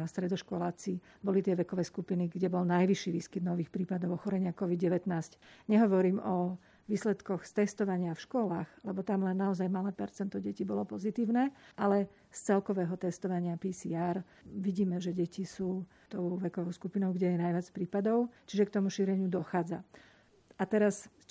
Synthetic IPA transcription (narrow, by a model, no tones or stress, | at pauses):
ast̪ɾɛd̪ɔʃkɔlaːt͡si | bɔlit̪ɪɛʋɛkɔʋɛjskupiniɡɟɛbɔlnajʋiʃiːʋiːskid̪nɔʋiːxpɾiːpad̪ɔʊɔxɔɾɛɲɪakɔʋid̪ɟɛʋɛt̪naːscɲɛɦɔʋɔɾiːmɔ | ʋiːslɛt̪kɔxst̪ɛst̪ɔʋaɲɪafʃkɔlaːɣlɛbɔt̪amlɛnːaɔzajmalɛpɛɾt͡sɛnt̪ɔɟɛcibɔlɔpɔzit̪iːʊnɛːʔalɛ | st͡sɛlkɔʋɛːɦɔt̪ɛst̪ɔʋaɲɪapisiaːɾ | ʋiɟiːmɛʒɛɟɛcisuː | t̪ɔʊʋɛkɔʋɔʊskupinɔʊɡɟɛjɛnajʋat͡spɾiːpad̪ɔʊt͡ʃiʒɛkt̪ɔmuʃiːɾɛɲɪud̪ɔxaːd͡za | at̪ɛɾas